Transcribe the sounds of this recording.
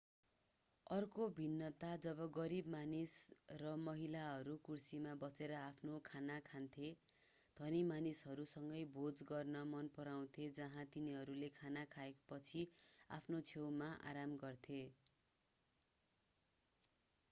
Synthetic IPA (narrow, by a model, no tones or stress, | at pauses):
ʌrkobʱinːʌt̪ad͡zʌβʌɡʌɾibmanisrʌmʌɦilaɦʌɾukursimabʌseɾʌapʰnokʰanakʰant̪ʰe | d̪̥ʱʌnimanisɦʌɾusʌŋɡʌjbʱod͡zɡʌrnʌmʌnpʌɾaw̃t̪ʰed͡zʌɦãt̪iniɦʌɾulekʰanakʰaekpʌt͡sʰia̰pʰnot͡sʰewmaʔa̰ɾamɡʌrt̪ʰe